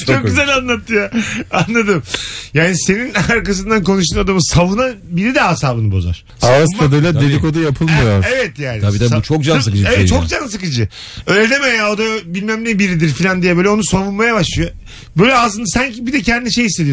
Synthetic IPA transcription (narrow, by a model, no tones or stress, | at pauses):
t͡ʃok̚ɟyzælʲanlˠat̪ːɯjaanlːˠad̪ɯmjaːnise̞ninaɾkas̬ɯnd̪anko̞nuʃ̬t̪uːnad̪amɯsavunanbiɾid̪ɛɦasaːbɯnɯbo̞̰za̰ɾ̥ | astad̪ɯjlˠad̪ed̪ikod̪ajapʰɯlˠmɯjaevɛt̪jaːnɪabid̪ɛsut͡ʃʰokd͡ʒans̬ɯkɯd͡ʒevɛt͡ʃʰokd͡ʒansɯkɯd͡ʒɯ | ølʲed̪emejao̞d̪abilʲmæmnʲɛbiɾid̪iɾfilʲand̪ijɛbøːlʲɛo̞nusavunmajabaʃlˠɯjo | bøjlʲɛazɯnd̪asaɲcibid̪ɛcʰɛnd̪iniʃejhislʲːed̪ijo